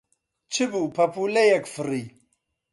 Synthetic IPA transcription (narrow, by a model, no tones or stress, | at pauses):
t͡ʃʰibupʰapulejakfɨɾi